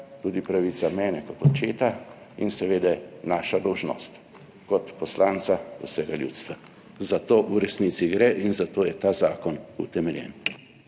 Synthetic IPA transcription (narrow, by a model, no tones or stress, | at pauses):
t̪uːd̪ipɾaʋiːt̪samɛːnɛkɔt̪ɔt͡ʃeːt̪a | ḭnsɛʋeːd̪ɛnaːʃad̪ɔwʒnɔ̰ːst̪ | kɔt̪pɔslaːnt̪sausɛɡaljṵːt̪st̪ʋa | zat̪oːʔuɾɛsniːt̪siɡɾɛʔinzat̪oːjɛt̪aːzaːkɔnut̪ɛmɛljɛ̰ːn